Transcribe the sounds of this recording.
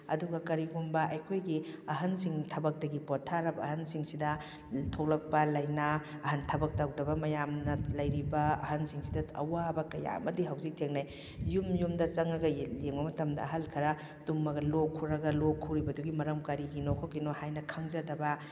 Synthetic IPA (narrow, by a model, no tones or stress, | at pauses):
ɐ̰duɡɐkɐɾiɡumbɐʔɐjkʰojɡiɐɦɐnsiŋtʰɐbɐk̚tɐɡipɔtʰːaɾɐbɐːhɐnsiŋsidɐ | tʰok̚lɐk̚pɐlɐjnaɐhɐntʰɐbɐk̚tawdɐbɐmɐjamnɐlɐjɾibɐɐ̰ɦɐnsiŋsidɐɐ̰wabɐkɐja̰mɐdiɦawzik̚tʰeŋnaj | jumjumdɐt͡ʃɐŋɐɡɐleŋbɐmɐtɐmdɐ̰ːɦɐlkʰɐɾɐ | d̥umːɐɡɐlokʰuɾɐɡɐlokʰuɾibɐduɡimɐɾɐmkaɾiɡinokʰokinohajnɐkʰɐŋzɐdɐbɐ